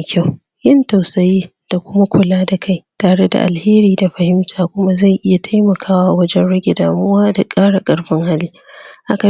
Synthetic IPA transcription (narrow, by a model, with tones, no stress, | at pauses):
kʲa˦˨w | jɪ˦nta˨wsɐ˦˨jeː˦d̥a˨kʷʊ˦ma˦kʷʊ˨laː˦da˨kʰa˦˨jtaː˨ɽe˦da̰˨ʔa̰˨lheː˦ɾiː˨da˨ɸɐ˨hɪ˦mtʰaː˨kʷʊ˦ma˦za˦˨jʔɪ˦ja˨tʰa˦jmɐ˨kʰaː˦waː˦ʔwɐ˦d͡ʒɛ˦nɽɐ˦ɡʲɪ˨daː˨mʊ˦waː˦da˨kʼaː˦ɽa˨kʼɐ˨˦ɽɸɪ˦ŋha˦liː˦ | ha˦ka˨